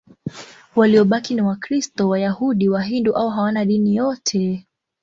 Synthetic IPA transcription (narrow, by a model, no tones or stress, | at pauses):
waliɔɓakiniwakɾistɔwajahuɗiwaɦinduʔauɦawanaɗinijɔtʰɛ